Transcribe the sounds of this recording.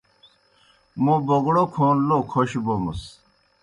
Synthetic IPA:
moboɡɽokʰoːnlokʰoɕbomus

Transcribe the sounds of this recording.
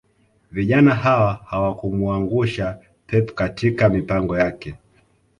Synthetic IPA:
viʄanahawahawakumuaŋɡuʃa | pʰɛpkatʰikamipaŋɡɔjakɛ

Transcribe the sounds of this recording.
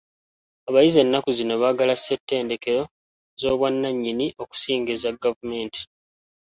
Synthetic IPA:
aβajize̞nːakuzino̞βaɡalasetːe̞ːnde̞ke̞ɾo̞ | zo̞ːβwanːaɲːiniʔo̞ku̥siːŋɡezaɡavume̞ːnti̥

